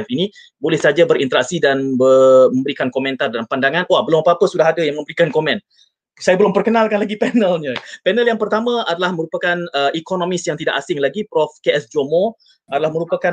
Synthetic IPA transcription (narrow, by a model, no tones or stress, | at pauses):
fini | bolɛhsad͡ʒabərint̪əɾak̚sidanbəmə̃mbəɾikankomɛ̃nt̪ardalampandaŋãnwaʔbəlʊmapaːpəsudaɦadajaŋmə̃mbəɾikankomɛ̃n | sajabəlʊmpərkənalkanlaɡipɛnəlɲapɛnəljaŋpərt̪amãadalahməɾupakanəikonomɪsjaŋt̪ida̰ʔasɪŋlaɡipɾɔfkeʔɛsd͡ʒomo | adalahmə̃ɾupaka